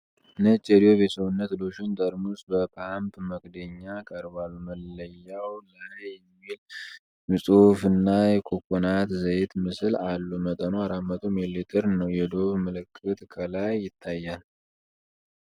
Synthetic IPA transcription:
nət͡ʃʼːɛd̪ijoβesəβunːət̪loʃunt̪ʼəɾmusʼbəpʰampʰməkʼd̪əɲːakʼəɾβaluməlːəjːawzaɾejɛmːil | mɨsʼofɨnːajɛkʰʼokʰʼːonat̪zəjt̪mɨsɨlalːumət̪ʼənoaɾamːət̪ʰʼomilet̪ʰəɾnəwjɛd̪o̞βmɨlɨkʼːɨt̪ʼkʰəlajːɪt̪ʰːajːal

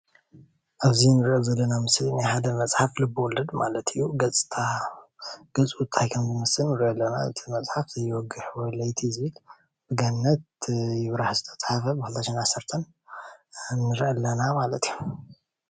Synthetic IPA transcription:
ʔaβzinɨɾʔozɐlːɐnamɨslnaħad̪ɐmɐt͡sʼħaflɨbɨwɔlɐd̪ma̰lɐt̪ʰijːuɡɐt͡sʼt̪ʰa | ɡ̥ɐt͡sʼut̪ʰajkʰɐmzɨmɨsɨlːɨɾʔolːɐnaɨ̰t̪ʰimɐt͡sʼħafzɐjɪwɔɡɨħwɔlɐjt̪ʰizɨβil | bɨɡanːɐt̪̚jɪβɾaħzɨt̪ʰɐ̥t͡sʼħafɐbɨxɨlt̪ʰɐʃenʔasːɐɾt̪ʰɐn | nɨɾʔɐlːɐnamalɐt̪iju

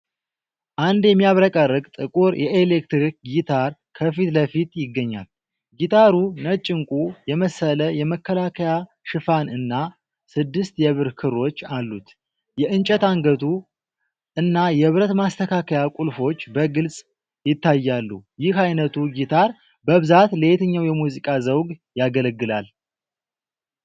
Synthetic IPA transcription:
ʔand̪jɛmːijaβɾəkʼərːɨɡʼt̪ʼɨkʼuɾjʔɛʔelekt̪ɾikɡit̪ʰaɾkʰəfit̪ləfit̪jɪɡːəɲːa̰l | ɡit̪ʰaɾunət͡ʃʼːɪŋkʼujɛməsːələjɛməkʰːəlakʰəja | ʃɨfanɨnːa | sɨd̪ːɨst̪jɛβɨɾkʰɨrːo̞t͡ʃːalːut̪ | jɛʔɨnt͡ʃʼət̪aŋɡət̪ʰu | ʔɨnːajɛβɾət̪mast̪ʰəkʰakʰəjakʼulfo̞t͡ʃːbəɡɨlsʼ | jɪt̪ːajːalːṵjɪhajnət̪ʰuɡit̪ʰaɾ | bəβɨzat̪leet̪ʰəɲːawjɛmuzikʼazəwɡjaɡələɡːɨlal

